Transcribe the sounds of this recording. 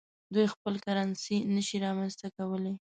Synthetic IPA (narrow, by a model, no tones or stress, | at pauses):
d̪ujxpəlkaɾɑnsinəʃiɾɑmanst̪akawəle